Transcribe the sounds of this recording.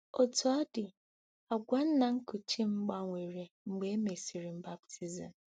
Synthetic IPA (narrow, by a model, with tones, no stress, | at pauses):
o˨to˦a˦dɪ˨ | a˨ɡʷa˦n̩˦na˨ŋ̩˦kʊ˨t͡ʃi˦ŋ͡m̩˦ɡ͡ba˦ŋʷe˨ɾe˨ŋ͡m̩˨ɡ͡be˨e˦me˨si˨ɾi˨m̩˦ba˦btʰi˦zi˨m̩˨